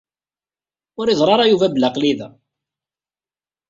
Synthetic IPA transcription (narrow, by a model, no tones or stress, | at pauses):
ʊɾiðˤɾˤɑɾˤɑjuvæbəlːaqliðæ